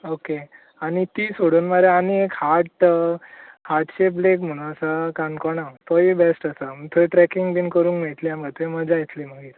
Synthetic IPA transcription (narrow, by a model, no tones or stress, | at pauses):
oke | añit̪iːsoɽuːnmaɾeaniekhaɾʈ | haɾʈɕepblekm̤əɽ̃ũnəsakankɔɽ̃at̪ɔibesʈəsəm̤əɡt̪ʰoiʈɾɛkiŋɡbiːnkəɾuːnkmeɭt̪liamɡat̪ʰeməd͡ʑajit̪liːm̤əɡiːɾ